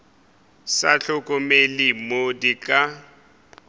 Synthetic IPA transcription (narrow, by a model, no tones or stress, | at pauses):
saɬʊkʼʊmelɪmodikʼa